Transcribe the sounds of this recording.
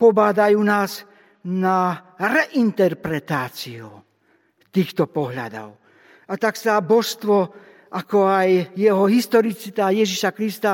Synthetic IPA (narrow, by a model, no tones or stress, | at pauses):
pɔbad̪ajuːnaːz | naɾɛʔint̪ɛɾpɾɛt̪aːt͡siṵ | t̪iːxt̪ɔpɔɦʎa̰d̪ɔ̰ʊ | at̪aksabɔʃst̪ʋɔ | akɔajjɛɦɔɦist̪ɔɾit͡sit̪ajɛʒiʃakɾist̪a